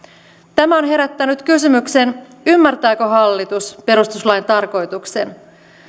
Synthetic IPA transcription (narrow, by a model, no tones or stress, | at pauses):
t̪æmæo̞nɦe̞ɾæt̪ːænyt̪kysymykse̞n | ymːært̪æːkøɦɑlːit̪uspe̞ɾust̪uslɑjnt̪ɑrko̞jt̪ukse̞n